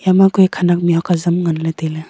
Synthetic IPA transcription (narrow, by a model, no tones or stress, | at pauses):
jamaɡujkʰanak̚miɦɔkazɯmŋanlatela